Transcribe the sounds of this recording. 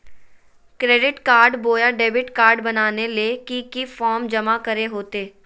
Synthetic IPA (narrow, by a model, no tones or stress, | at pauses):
kɾeːɖɪʈkaːɾɖboːjaɖeːbɪʈkaːɾɖbɐnaːnelekikifɔːɾmd͡ʒɐmakɐɾeɦoːt̪eː